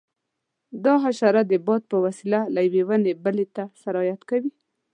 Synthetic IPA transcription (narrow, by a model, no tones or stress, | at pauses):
d̪ɑɦaʃɑɾad̪əbɑd̪̚pəwasilalajwewənebəlet̪asaɾɑjat̪kawi